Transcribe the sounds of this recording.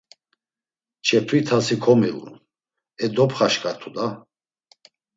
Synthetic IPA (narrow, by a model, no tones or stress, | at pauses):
t͡ʃʰɛt̪ʰwit̪ʰasikʰɔmilṵ | ɛd̪ɔpʰχaʃkʼat̪ʰud̪a